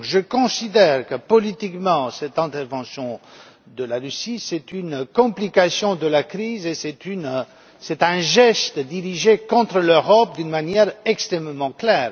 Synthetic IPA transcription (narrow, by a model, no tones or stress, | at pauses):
ʒəkɔ̃sid̪ɛʁkəpɔlit̪ikmɑ̃sɛt̪ɛ̃t̪ɛʁvɑ̃sjɔ̃ | d̪əlaʁysisɛt̪ynkɔ̃plikasjɔ̃d̪əlakʁizesɛt̪yn | sɛt̪ɛ̃ʒɛst̪d̪iʁiʒekɔ̃t̪χəløʁɔp̚d̪ynmanjɛʁɛkst̪χɛmmɑ̃klɛːʁ